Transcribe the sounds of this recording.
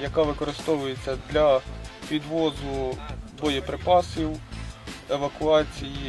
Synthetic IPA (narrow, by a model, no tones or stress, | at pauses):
jɐkɑʋɪkɔɾɪst̪ɔʋʊjet͡sʲːɐd̪lʲɐpʲid̪ʋɔzʊbɔjɛpɾɪpɑsʲiw | eʋɐkʊɑt͡sʲiji